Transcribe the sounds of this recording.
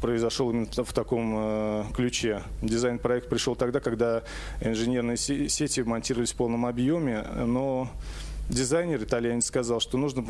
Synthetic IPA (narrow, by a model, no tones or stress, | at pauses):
pɾəɪzɐʂolˠimʲɪnəft̪ɐko̞mklʲʉt͡ɕedʲɪzajnpɾɐɛk̚t̪̚pɾʲɪʂolˠt̪ɐɡd̪akɐɡd̪a | ɪnʐɨnʲe̞rnɨjəsʲetʲɪmɐnʲtʲirɾəvəlʲɪsʲfpo̞lˠnəmɐbjomʲɪno̞ | dʲɪzajnʲɪrɨt̪alʲjanʲɪt̪skɐzɑlˠʂt̪o̞nuʐnə